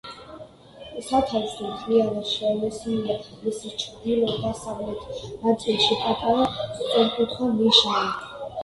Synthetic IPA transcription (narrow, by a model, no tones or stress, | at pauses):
sat̪ʰavisɔmχʰlialaʃiamɛsinia | misit͡ʃʰɾd̪ilˠɔd̪asaʁlɛt̪ʰnat̪sʼilˠʃipʼat̪ʼaɾasʼɔɾkʼut̪ʰχwamiʃa